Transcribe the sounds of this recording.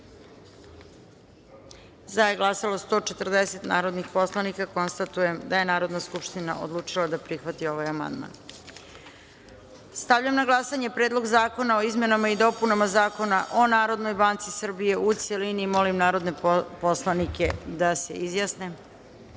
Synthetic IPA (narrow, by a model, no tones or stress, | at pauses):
zajeɡlˠasalost̪o̞ːt͡ʃe̞t̪r̩d̪ese̞t̪na̰ːɾo̞d̪nixpo̞slˠanikako̞nst̪at̪uje̞md̪aje̞naːɾo̞d̪naskupʃt̪ina̰ʔod̪lˠuːt͡ʂilˠad̪apɾixʋat̪io̞ʋajama̰nd̪ma̰n | st̪aʋʎamnaɡlˠasaɲe̞pɾeːd̪lˠo̞ɡzaːko̞nao̞izme̞namaid̪o̞punamazaːko̞naʔo̞naːɾo̞d̪no̞jbaːnt̪sisr̩bije̞ʔut̪seliniːmo̞limnaːɾo̞d̪ne̞po̞slˠanike̞d̪ase̞̰izjasne̞